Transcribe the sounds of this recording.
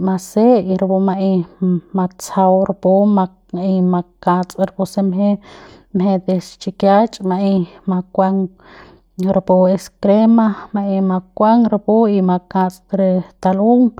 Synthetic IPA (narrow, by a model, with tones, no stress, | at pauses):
ma˧se˦i˧ɾbo˧ma˧ʔi˧ma˧t͡sa˧wɾpo˦ma˧ | i˧ma˧kã˧t͡sʼɾbo˧se˧mɦe˦ | mɦe˧d̪e˧st͡ʃi˧kja˦t͡ʃʼma˧i˧ma˧kʷa˧ŋ | ɾa˧po˧e˧skɾe˦ma˦ma˧ʔi˧ma˧kʷa˦ŋɾa˧po˦i˧ma˧kã˧t͡sʼɾe˧t̪a˧lu˦ŋ